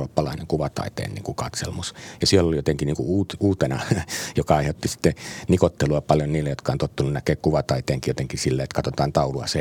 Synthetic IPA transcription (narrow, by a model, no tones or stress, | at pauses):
oːpːɑlɑˑinḛŋkuʋɑt̪ɑ̰ˑit̪ḛːnnḭːŋkukɑt̪sḛlmusjɑsielːolijot̪eŋkiniːŋkuuːt̪uːt̪enɑjokɑɑˑihot̪ːisi̥t̪ːenikot̪ːeluɑpɑljonniːlːejot̪kɑont̪ot̪ːununnækeːkkuʋɑt̪ɑit̪eːŋkijot̪eŋkisilːeet̪kɑt̪ot̪ɑːnt̪ɑuluɑ̰se